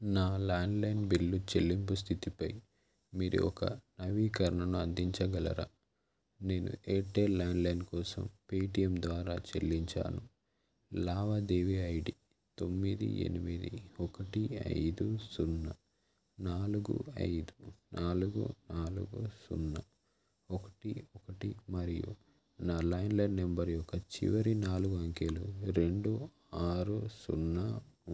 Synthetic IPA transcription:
naːlaːɳɖlɐjnbilːut͡ʃe̞lːimpus̬t̪ʰit̪ipɐj | miːɾṵɔkɐnɐʋiːkɐɾɐɳɐnuɐnd̪iɲt͡ʃɐɡɐlɐ̰ɾa̰ | ne̞ːnṵeːʈːeːlːaːɳɖlɐjnkɔːsɐ̰mpeːʈijɐmd̪ʋaːɾaːt͡ʃe̞̰lːiɲt͡ʃa̰ːnu | laːʋɐd̪eːʋiɐjɽi | t̪o̞mːid̪ḭḛnimid̪ḭɔkɐʈiɐ̰jd̪usunːɐ | naːluɡṵɐ̰jd̪unʔaːluɡṵnaːlṵɡusṵnːɐ | ɔkɐ̥ʈiɔkɐʈimɐɾijṵ | naːlɐjnlɐːembɐɾjɔkːɐt͡ʃḭʋɐɾinaːluɡuɐŋkeluɾe̞ɳɖu | aːɾusunːɐ

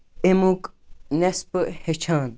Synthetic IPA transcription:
emuknesphet͡ʃʰaːn

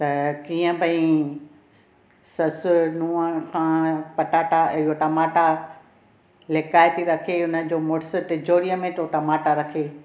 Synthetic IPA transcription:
t̪ɐkiːə̃bʱɐĩ | sɐsʊnũːəkʰãːpɐʈaːʈaɪɦoʈɐmaːʈa | lekaːjt̪iɾɐkʰeʊnəd͡ʑoːmoɽsɪʈɪd͡ʑoːɾijəmẽʈoːʈɐmaːʈaɾɐkʰeː

